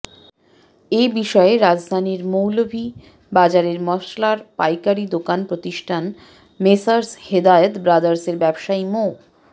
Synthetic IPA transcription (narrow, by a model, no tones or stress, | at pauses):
ebiʃɔeɾad͡ʑd̪ʱaniɾmowlobʱi | bad͡ʑaɾeɾmɔʃlaɾpajkaɾid̪okanpɾot̪iʃʈʰan | mesaɾshed̪aeət̪bɾad̪aɾseɾbɛbʃajmo